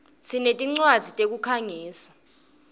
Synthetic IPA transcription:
sinetʼiŋ͡ǀwad̥z̥ʱitʼek̬ukʰaŋiːsḁ

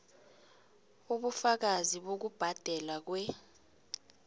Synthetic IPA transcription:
uɓufak̬aziɓok̬ub̥ʱad̥ʱɛlak̬wɛ

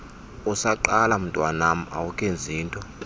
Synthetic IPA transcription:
usaǃalam̩tʼwanam̩a̰wukʼend͡zʱiːntʼɔ

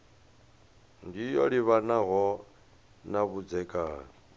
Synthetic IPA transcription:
ndijɔ̰ɺiβanaɦɔ | naβud͡zɛkʼa̰

